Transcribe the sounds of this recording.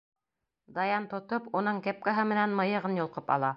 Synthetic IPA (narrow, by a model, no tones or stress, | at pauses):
d̪ɑjɑnt̪ŏt̪opunɤɴkæp̚kæɦɤmɘ̆nænmɤ̆jɤ̆ʁɤnjŏlˠqɤpɑ̰lˠɑ